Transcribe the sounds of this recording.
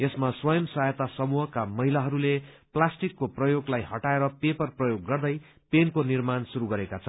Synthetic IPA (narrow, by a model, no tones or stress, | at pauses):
esmaswʌjʌmsajʌt̪asʌmuɦʌkamʌɦilaɦʌɾule | plasʈikːoprʌjoɡlajɦʌʈaeɾʌpepʌrprʌjoɡːʌrd̪ʌj | penkonirmansuɾuɡʌɾekat͡sʰʌ